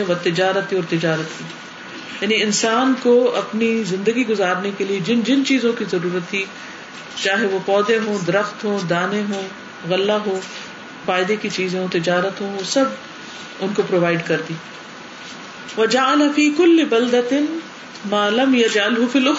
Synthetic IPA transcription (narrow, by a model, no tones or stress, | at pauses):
eʋɐt̪ɪd͡ʒaːɾət̪ːiɔːɾt̪ɪd͡ʒaːɾət̪ɦiː | jaːniɪnsaːnkoʔɐpnizɪ̃nd̪əɡiɡʊzaːɾnekelied͡ʒɪnd͡ʒɪnt͡ʃiːzõkizɐɾuːɾət̪ʰːi | t͡ʃaːɦeʋopɔːd̪ẽɦõːd̪ɐɾəxt̪ɦõːd̪aːnẽɦoː | ɣɐlːaɦoː | faːjd̪ekit͡ʃiːzẽɦõt̪ɪd͡ʒaːɾət̪ɦõʋosɐb | ʊnkopɾoːʋaːɪɖkɐɾd̪iː | ʋɐd͡ʒaʕalafiːkʊlːɪbɐld̪ɐɪn | maːlɐmjɐd͡ʒʕalɦʊfiːlʊx